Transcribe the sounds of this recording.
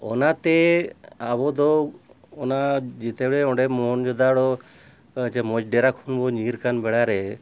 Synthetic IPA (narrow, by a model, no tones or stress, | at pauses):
ɔ̰nat̪ɛabɔd̪ɔ | ɔnad͡ʒit̪ɛɽɛɔ̃ɖɛmɔnd͡ʒɔd̪aɽɔ | t͡ʃɛmɔd͡ʒɖɛɾakʰunbɔɲiɾkanbɛɽaɾɛ